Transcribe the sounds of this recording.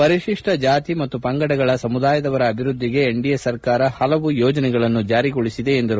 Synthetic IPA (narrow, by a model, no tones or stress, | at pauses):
pɐɾiʂiʂʈɐd͡ʒaːt̪imɐt̪ːupɐŋɡɐɽɐɡɐɭɐsɐmud̪aːjɐd̪ɐʋɐɾɐːbʱiɾud̪ːiɡe̞ːɳɖijɐsɐɾkaːɾɐhɐlɐʋujɔːd͡ʒɐnɛɡɐɭɐnːud͡ʒaːɾiɡoɭisid̪e̞ːnd̪ɐɾu